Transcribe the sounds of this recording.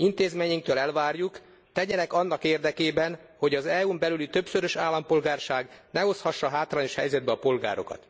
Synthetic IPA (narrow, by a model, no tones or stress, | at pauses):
int̪eːzmeːɲiŋkt̪øːlɛlvaːrjuk | t̪ɛɟɛnɛkɒnːɒkeːrd̪ɛkeːbɛnho̞ɟɒzɛuːmbɛlylit̪ø̞psøɾøʃaːlːɒmpo̞lɡaːrʃaːɡnɛo̞shɒʃːɒɦaːt̪raːɲo̞ʃhɛ̰jzɛd̪̚bɛɒpo̞lɡa̰ːɾo̞̰kɒ̰t̪